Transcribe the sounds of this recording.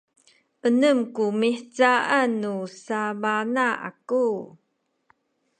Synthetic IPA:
ʔənəmkumiħt͡saanːusamanaa̰ku

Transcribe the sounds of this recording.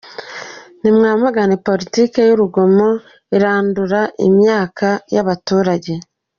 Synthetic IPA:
nimŋaːmaɡanipo̞litiːke̞juɾuɡomo̞ | iɾaːnduɾaʔḭmjaːkʰajaβatuːɾaɟe̞

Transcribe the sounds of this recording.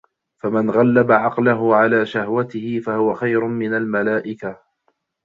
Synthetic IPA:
famanɣalːabaʕɑqlaɦʊʕalaːʃahwat̪ɪhɪfahʊwaxajɾʊmɪnalmalaːʔɪka

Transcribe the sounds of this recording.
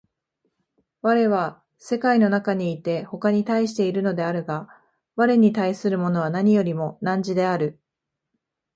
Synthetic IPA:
βaɾe̞βa | se̞kaino̞nakaɲ̟iːt̪e̞ho̞kaɲ̟it̪aiɕi̥t̪e̞iɾɯ̟no̞d̪e̞aɾɯ̟ɡa | βaɾe̞ɲ̟it̪aisɨɾɯ̟mo̞no̞βanaɲ̟ijo̞ɾʲimo̞nãɲ̟d͡ʑid̪e̞aɾɯ̟

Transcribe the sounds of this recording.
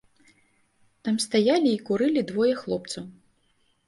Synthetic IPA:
t̪amst̪ajalʲiːkuɾɨlʲid̪vɔjɛxlˠɔp̚t̪sɐw

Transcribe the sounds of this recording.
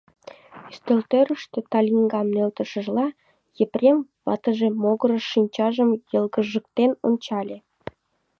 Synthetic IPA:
yst̪ølt̪øɾəʃt̪et̪ɑlʲiŋɡɑmnølt̪ə̆ʃə̆ʒlɑ | jəprʲemβɑ̰t̪əʒemoɣəɾəʃinʲt͡ɕɑʒəmjəlɡəʒək̚t̪eno̰nʲt͡ɕɑlʲe

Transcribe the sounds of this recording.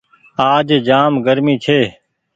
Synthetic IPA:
aːd͡ʒd͡ʒaːmɡəɾmĩːt͡ʃʰeː

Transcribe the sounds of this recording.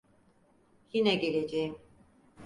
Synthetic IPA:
jinɛɟelʲed͡ʒejim

